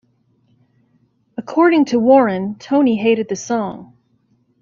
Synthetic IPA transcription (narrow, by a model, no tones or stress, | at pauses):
əkʰɔɹɾɪ̃ŋtʰəwɔɹɨ̃ntʰõʊ̃niɦeɪɾɨd̪̚ðɨsɔ̃ŋ